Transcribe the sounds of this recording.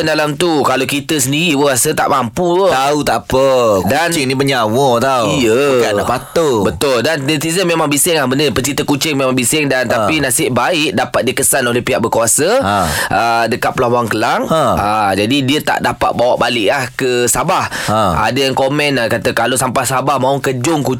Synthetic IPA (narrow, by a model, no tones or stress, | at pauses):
ndalamt̪ukalokit̪əsəndiɾiwəasət̪a̰ʔmampuot̪aut̪aʔpəkudant͡ʃɪŋnibəɲawot̪auijəkaapat̪obət̪ʊldanɛt̪izəmemãŋbisɪŋlahbəndəpət͡ʃit̪əkut͡ʃɪŋmemaŋbisɪŋdant̪apinasɪʔbaɪʔ̚dapat̪̚diəkəsanolɛhpiɦaʔ̚bəkuasaʔədəkat̪̚pəlabaaŋkəlaŋaad͡ʒadidiət̪a̰ʔdapa̰t̪̚bawaʔbalɪʔlahkəsabahaa̰dajaŋkomɛ̃nkat̪akalosampahsabahmãwkəd͡ʒʊŋku